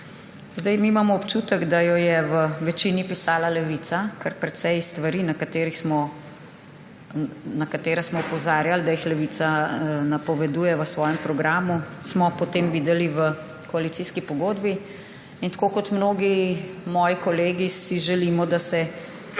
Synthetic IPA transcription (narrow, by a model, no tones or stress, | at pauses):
zd̪ɛjmiːmamɔɔpt͡ʃut̪əɡd̪ajɔjɛʋəʋɛt͡ʃinipisaːlalɛʋit̪sakəɾpɾɛt̪sɛjst̪ʋaɾiːnɐkat̪eːɾixsmɔ | nakat̪eːɾasmɔɔpɔzaːɾjald̪ajixlɛʋiːt̪sanapɔʋɛd̪uːjɛʋəsʋɔːjɛmpɾɔɡɾaːmusmɔpɔt̪eːmʋid̪ɛliʋə | kɔalit̪siskipɔɡoːd̪bi | int̪ḁkokɔt̪mnoːɡimɔːjikɔleːɡisiʒɛlimɔd̪asɛ